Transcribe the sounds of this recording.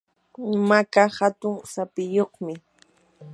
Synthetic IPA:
makahat̪ʊŋsapɪjoχmɪ

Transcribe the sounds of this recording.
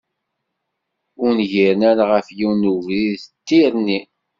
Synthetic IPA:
ʊɾnʝiɾnæɾʁəfjiwnuviðθət̪ːiɾni

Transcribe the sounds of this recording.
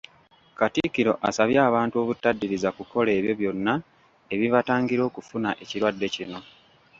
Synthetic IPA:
katikiɾo̞ʔa̰saβjaːβaːntuo̞βutːadːiɾizakuko̞le̞ːβjo̞βjo̞nːa | e̞βiβataːŋɡiɾo̞ːkufunaʔe̞ciɾwadːe̞cino̞

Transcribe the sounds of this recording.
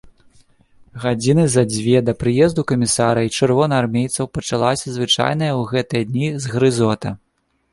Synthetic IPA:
ɣad͡zʲinɨzɐd͡zʲvʲɛd̪ɐpɾɨjɛzd̪ukɐmʲisaɾɐit͡ʂɨrvɔnɐarmʲejt̪sɐwpɐt͡ʂalˠasʲɐzvɨt͡ʂa̰jn̪ɐjɐwɣɛt̪ɨjɐd̪nʲizɣɾɨzɔt̪ɐ

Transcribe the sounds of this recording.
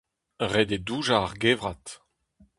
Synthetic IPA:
ʁɛd̪eduːʒaːʁɡeːvʁat̪

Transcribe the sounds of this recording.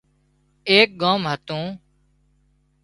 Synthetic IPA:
eːk̚ɡãːmɦət̪ũː

